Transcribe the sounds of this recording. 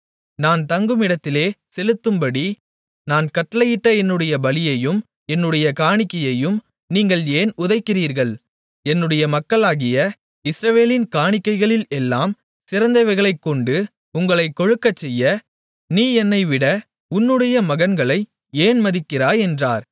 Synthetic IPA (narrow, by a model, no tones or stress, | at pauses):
naːnt̪ɐŋɡɯmɪɽɐt̪ːɪleːsɛlɯt̪ːɯmbɐɽi | naːnkɐʈːɐlɐjɪʈːɐɛnːɯɽɐjɐbɐlɪjɐjɯm | ɛnːɯɽɐjɐkaːɳɪkːɐjɐjɯm | niːŋɡɐɭeːnʊðɐɪkːɪriːɾɣɐɭ | ɛnːɯɽɐjɐmɐkːɐɭaːɣɪjɐ | ɪsɾɐʋeːlɪnkaːɳɪkːɐɪɣɐɭɪlɛlːaːm | sɪɾɐnd̪ɐɪʋɐɪɣɐɭɐɪkːɔɳɖɯ | ʊŋɡɐɭɐɪkːɔɻɯkːɐt͡ʃːɛjːɐ | niːɛnːɐɪʋɪɽɐ | ʊnːɯɽɐjɐmɐɣɐnɡɐɭɐɪ | eːnmɐðɪkːɪraːɛndraːɾ